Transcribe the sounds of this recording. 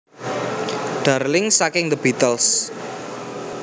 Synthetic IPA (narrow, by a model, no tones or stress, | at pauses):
ɖ̥arlɪŋsakɪŋd̪əbit̪əls